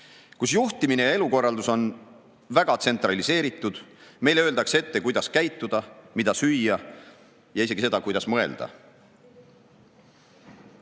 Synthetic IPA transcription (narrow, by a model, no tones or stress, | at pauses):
kusjuht̪imine̞jɑe̞luko̞rːɑld̪uso̞n | væɡ̥ɑt̪se̞nt̪ˑɾɑlise̞ːɾit̪ːˑud̪̥me̞jleøːld̪ɑkse̞t̪ːe̞kujd̪̥ɑskæjt̪ːud̪̥ɑmid̪̥ɑsyjːɑ | jɑise̞ɡise̞d̪ɑkujd̪̥ɑsmɤ̞e̞̰ld̪̥ɑ̰